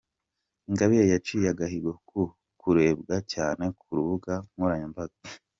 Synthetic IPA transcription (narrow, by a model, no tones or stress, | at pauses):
iŋɡaβijejat͡ʃijaɡahiɡokʰu | kuɾe̞ːbɡacaːne̞kʰuɾuβuɡamuɾaɲambazo